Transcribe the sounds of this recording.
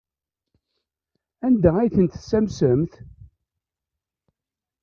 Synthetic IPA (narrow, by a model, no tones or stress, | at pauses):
ænd̪ææjθənt̪sæmsəmθ